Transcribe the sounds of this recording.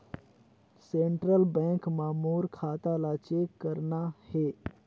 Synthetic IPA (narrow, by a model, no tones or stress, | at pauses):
seːɳʈɾəlbɛ̃ːŋkmaːmuːɾkʰaːt̪alaːt͡ʃekəɾnahe